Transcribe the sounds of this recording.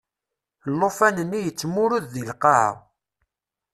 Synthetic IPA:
lːofænənːijət͡sːmʊɾuððilqɑhə̰ʁ

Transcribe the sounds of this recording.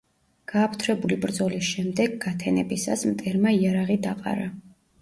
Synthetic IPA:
ɡ̥aːpʰt̪ʰɾɛbulibɾd̪zɔlisʃɛmd̪ɛɡɡat̪ʰɛnɛbisa̰smt̪ʼɛɾmaiaɾaʁid̪aqʼa̰ɾa

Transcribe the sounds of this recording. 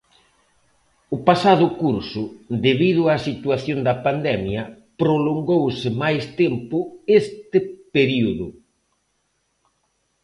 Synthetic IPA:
ʊpasað̞ʊkuɾsʊd̪eβiðʊasit̪waθjond̪ɐpand̪ɛmjɐ | pɾoloŋɡowsɪmajst̪ɛmpʊest̪ɪpeɾiuðʊ

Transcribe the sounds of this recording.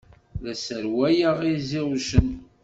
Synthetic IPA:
læsəɾwæjəʁiziʁuʃən

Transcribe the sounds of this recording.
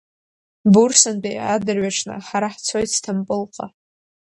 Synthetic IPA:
bursandʼejadɨrɥaʈ͡ʂʰnɨ̰ħaɾaħt͡sʰojtʰtʰampʼɨlqʼa

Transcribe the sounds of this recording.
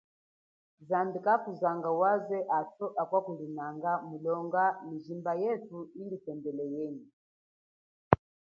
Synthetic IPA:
zambikakuzaŋɡawazɛʔatɔʔakwakulinaŋɡamulɔŋɡamiʒimbajɛtuinditɛmbɛlɛjɛni

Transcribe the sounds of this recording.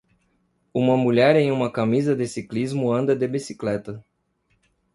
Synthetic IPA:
ũmɐmuʎɛɾẽj̃ũmɐkamizɐd̪esiklizmʊɐ̃nd̪ɐd̪ebisi̥klɛt̪ɐ

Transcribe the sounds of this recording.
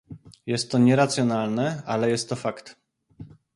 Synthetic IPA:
jɛst̪ːɔɲɛɾat̪sʲjɔnalnɛalɛjɛst̪ːɔfakt̪

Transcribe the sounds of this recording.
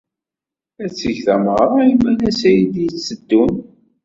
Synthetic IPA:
æt͡sːəʝθæmʁɾˤɑimænæsæjid̪jit͡sːəd̪ːun

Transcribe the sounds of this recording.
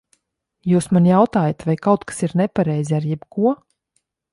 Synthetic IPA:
juːsmanjawt̪aːjat̪vajkawt̪kḁsiɾnɛpaɾɛjzʲiaɾjɛbkuɔ

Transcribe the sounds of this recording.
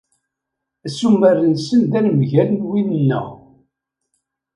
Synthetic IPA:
æsumərːənsənd̪ænmʝælənwinənːə̰ʁ

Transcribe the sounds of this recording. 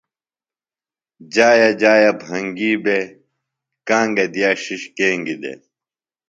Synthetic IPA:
d͡ʑaːjɐd͡ʑaːjɐbʱɐŋɡiːbe | kãːŋɡɐd̪ijaːɕiɕkeːŋɡid̪ḛ

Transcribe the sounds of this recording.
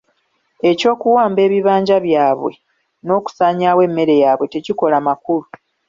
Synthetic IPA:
e̞co̞ːkuwaːmbe̞ːβiβaːɲɟaβjaːβwe̞̰ | no̞ːku̥saːɲaːwe̞mːe̞ɾe̞jaːβwe̞te̞ciko̞lamakulu

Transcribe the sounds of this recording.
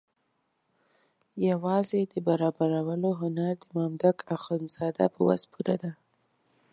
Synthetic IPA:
jawɑzed̪əbaɾɑbaɾawəloɦʊnaɾd̪əmɑmd̪akaxonzɑd̪a̰pəwa̰zpʰuɾad̪a

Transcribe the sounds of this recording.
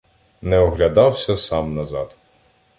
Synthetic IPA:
nɛɔɦlʲɐd̪ɑwsʲɐsɑmnɐzɑd̪̥

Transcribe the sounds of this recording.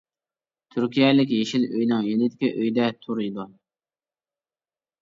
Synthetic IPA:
t̪ʰyɾkʲijɛlɪkʲjeʃiløjnɨŋjenɪd̪ɪ̥kʲiʔøjd̪ɛt̪ʰuɾid̪ɑn

